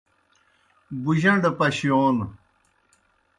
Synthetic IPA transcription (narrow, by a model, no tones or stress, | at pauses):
buʑɐɳɖpɐɕjoːn